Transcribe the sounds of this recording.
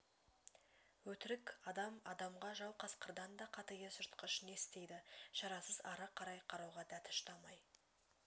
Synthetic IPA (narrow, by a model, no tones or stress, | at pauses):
wɵt̪ɪɾɪkɑd̪ɑmɑd̪ɑmʁɑʒɑwˠqʰɑsqəɾd̪ɑnd̪ɑqʰɑt̪əjəsʊɾt̪qəʃəne̞st̪e̞jd̪ɪʃɑɾɑsəzɑɾɑqʰɑɾɑjqʰɑɾɑwʁɑd̪æt̪ʰʊ̥ʃt̪ɑmɑj